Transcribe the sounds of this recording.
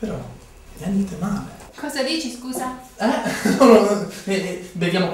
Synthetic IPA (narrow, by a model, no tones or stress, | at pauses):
peɾɔ | nanːit̪emaːlekʰɔːzad̪iːt͡ʃiskuːzaɛloːɾoɛbeljaːmo